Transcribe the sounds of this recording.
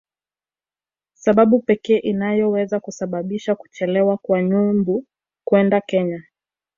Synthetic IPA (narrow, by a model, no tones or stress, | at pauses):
saɓaɓupɛkɛːʔinajɔwɛzakusaɓaɓiʃaku̥t͡ʃɛlɛwakwaɲumbu | kwɛndakɛɲa